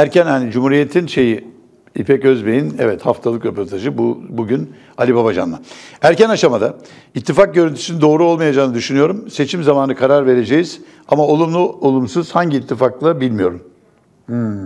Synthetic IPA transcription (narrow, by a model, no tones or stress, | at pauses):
æɾcʰænhanid͡ʒumhuːɾije̞t̪ʰinʃe̞ji | ipʰɛcø̞zbejinɛvɛt̪haft̪ʰalˠɯkɾe̞po̞ɾt̪ʰaʒɯbubuɟyn | alʲibabad͡ʒa̰nlˠaæɾcænaʃamad̪a | it̪ʰːifak̚ɟøɾynt̪ʰy̥sinid̪o̞ːɾuo̞lˠmajad͡ʒaːnɯd̪yʃynyjo̞ɾumse̞t͡ʃʰimzamaːnɯkʰaɾaɾve̞ɾe̞d͡ʒejiz̥ | amao̞lˠumlˠuo̞lˠumsɯz̥haɲɟiːt̪ʰːifaklˠabilʲmijo̞ɾum